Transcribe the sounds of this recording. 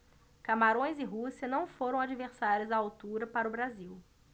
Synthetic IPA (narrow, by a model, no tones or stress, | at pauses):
kamaɾõj̃zɪɦusiɐnɐ̃w̃foɾɐ̃w̃ad͡ʒiveɾsaɾjʊzɐawt̪uɾɐpaɾɐʊbɾaziw